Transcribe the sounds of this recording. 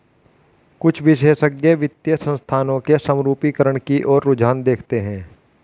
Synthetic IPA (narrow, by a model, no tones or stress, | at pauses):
kʊt͡ʃʰʋɪʃeːʃəɡjeʋɪt̪jəsə̃nst̪ʰaːnõkesəmɾuːpikəɾəɳ̃kiʔɔːɾːʊd͡ʒaːnd̪eːkʰt̪eɦɛ̃ː